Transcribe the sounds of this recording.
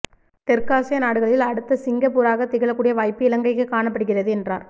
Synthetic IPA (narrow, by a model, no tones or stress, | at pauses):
t̪ɛrkaːsɐjɐnaːɽɯɣɐɭɪlɐɽɯt̪ːɐsɪŋɡɐpːuːɾaːɣɐt̪ːɪɣɐɭɐkːuːɽɪjɐʋaːjpːɯɪlɐŋɡɐɪkːɯkːaːɳɐpːɐɽɯɣɪrɐðɯɛndra̰ːɾ